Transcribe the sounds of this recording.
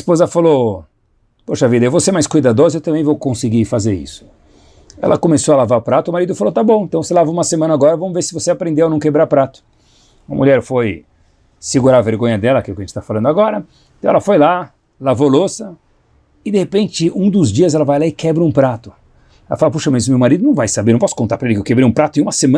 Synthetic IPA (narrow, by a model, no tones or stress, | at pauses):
spozɐfalo | poʃɐavid̪ɐewvoseɾmajskujd̪ad̪ozɐewt̪ɐ̃bẽj̃vowkõsɪɡifazeɾḭsʊ̥ | ɛ̰lʔɐkomesoɐalavaɾʊpɾat̪ʊːmaɾid̪ʊfalot̪abõẽt̪ɐ̃w̃selavoũmɐsemɐ̃nɐaɡɔɾɐvɐ̃mʊveɾsɪvoseapɾẽnd̪ewawnɐ̃w̃kebɾaɾpɾat̪ʊ̥ | umɐ̰mṵʎɛɾfoj | sɪɡuɾaveɾɡõɲɐd̪ɛlɐakilʊkɪɐʒẽt͡ʃɪst̪afalɐ̃nd̪aɡɔɾɐ̃ | t̪ɐ̃w̃ɛlɐfojla | lavolosɐ | ɪd̪ehepẽnt͡ʃɪʔũd̪ʊzd͡ʒiɐzɛlɐvajlaɪkʰɛbɾɐũpɾat̪ʊ | ɛlɐfalopuʃɐmezmewmaɾid̪ʊnɐ̃w̃vajsabeɾñpɔsʊ̥kõnt̪aɾpɾɐelɪkɪewkebɾejũpɾat̪ʊẽũmɐsemɐ̃